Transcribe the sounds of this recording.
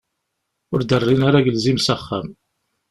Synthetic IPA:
ʊɾd̪ərˤːinaɾaɡəlzimsaχːæ̰m

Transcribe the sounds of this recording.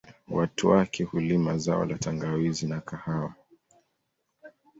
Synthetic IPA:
watuwakʰɛhulimazaɔ̰lataŋɡawizinakʰahawa

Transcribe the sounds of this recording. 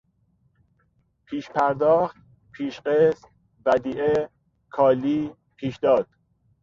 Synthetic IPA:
pʰiːʃpʰæɾd̪ɒːxt̪̚ | pʰiːʃɢest̪ | væd̪iːʔe | kʰɒːliː | pʰiːʃd̪ɒːd̪̥̚

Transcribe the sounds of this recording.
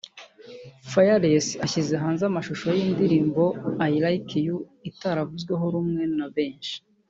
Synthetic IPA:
fajaɾesaçize̞ɦaːnzamaʃuʃo̞jiːndiɾiːmbo̞ajiɾaikiju | itaɾavuzɡwe̞ɦo̞ɾumŋe̞naβe̞ːnʃi̥

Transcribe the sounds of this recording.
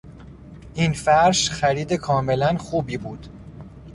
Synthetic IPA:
ʔiːnfæɾʃxæɾiːd̪ekʰɒːme̞lænxuːbiːbuːd̪̥

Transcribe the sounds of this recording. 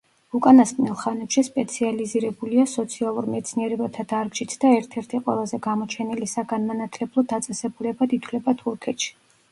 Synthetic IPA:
ukʼanaskʼnilˠχanɛpʃispʼɛt̪sʰializiɾɛbuliasɔt̪sʰialˠuɾmɛt̪sʰniɛɾɛbat̪ʰad̪aɾɡʃit̪ʰd̪aɛɾt̪ʰɛɾt̪ʰiqʼwɛ̰lˠazɛɡamɔt͡ʃʰɛnilisaɡanmanat̪ʰlɛblˠɔd̪at̪sʼɛsɛbulɛbad̪it̪ʰwlɛbat̪ʰuɾkʰɛt̪ʃi̥

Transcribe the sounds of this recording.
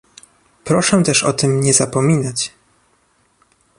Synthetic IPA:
pɾɔʂɛ̃t̪ɛʂɔ̰t̪ɘmɲɛzapɔmʲinat͡ɕ

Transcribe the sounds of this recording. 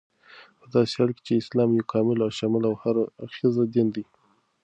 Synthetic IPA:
pəd̪ɑsehaɽke̥t͡ʃeɪslɑmjekʰɑmɪlaʃɑmɪlawhaɾaxizad̪ɪnd̪i

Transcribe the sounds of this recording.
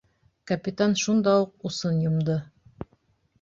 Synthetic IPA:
kɐpʲɪt̪anʃund̪ɑuq̚usɤnjŏmd̪ɤ

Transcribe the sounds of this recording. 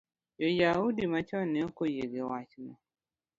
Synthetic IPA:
jojawudimãt͡ʃɔnẽokojeɡewat͡ʃinʊ̃

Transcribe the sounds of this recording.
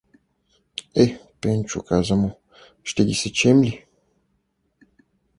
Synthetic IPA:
ɛpɛnt͡ʃṵkazəmo | ʃt̪ɛɡʲisɛt͡ʃɛmlʲi

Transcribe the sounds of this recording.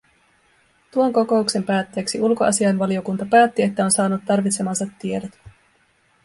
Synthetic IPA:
t̪uo̞ŋko̞ko̞ukse̞mpæːt̪ːe̞ːksiulko̞ʔɑ̰siɑnʋɑlio̞kunt̪ɑpæːt̪ːie̞t̪ːæo̞nsɑːnut̪ːɑrʋit̪se̞mɑnsɑt̪ːie̞dot̪

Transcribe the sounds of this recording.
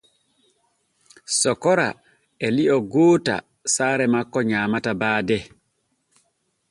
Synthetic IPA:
sɔkɔɾa̰ | ɛliʔɔɡoːta̰ | saːɾɛmakːɔɲaːmatabaːdɛ

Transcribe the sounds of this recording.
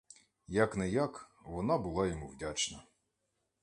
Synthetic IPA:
jɐknɛjakʋɔnɑbʊlˠɑjɔmuwdʲat͡ʃnɐ

